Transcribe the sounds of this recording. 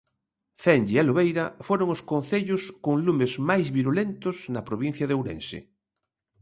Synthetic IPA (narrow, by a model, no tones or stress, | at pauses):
θɛnʎialoβejɾɐfoɾoŋʊskonθeʎʊskoŋlumezmajzβiɾulent̪ʊznɐpɾoβin̟θjɐðowɾḛnsɪ̰